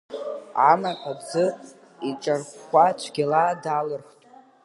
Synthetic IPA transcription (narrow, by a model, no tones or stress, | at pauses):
amaħʷʼad͡zɨ | it͡ʃʼarχʷat͡ʃʷʰɡʲalaːdalɨrχtʼ